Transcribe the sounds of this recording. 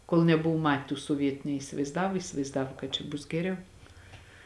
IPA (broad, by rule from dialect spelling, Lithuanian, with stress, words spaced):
koːlˠ nʲɛˈbʊʋʊ ˈmɐtʲ tuː soːˈʋʲiɛtʊ nʲɛɪsʲɪʋɐɪzˈdɑːʋoː iːsʲɪʋɐɪzˈdɑːʋoː kɐt t͡ʃʲɛ ˈbʊs ɡʲɛˈrʲɛʊ